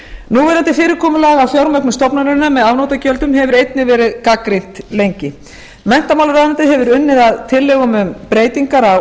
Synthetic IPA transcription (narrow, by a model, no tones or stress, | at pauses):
nuvɛɾant̪ɪfɪːɾɪɾkʰɔːmʏlɛːɣawfjawɾmœknʏmst̪ɔpnanɪnamɛðavnowt̪acœlt̪ʏmɦɛvʏɾejt̪nɪvɛːɾɪðkakɾin̥t̪lejɲcɪ | mɛn̥t̪amawlaɾaðant̪ɪɦɛvʏɾʏnːɪðaðt̪ʰɪlːɛːɣʏmʏmpɾeːjt̪iŋkaɾa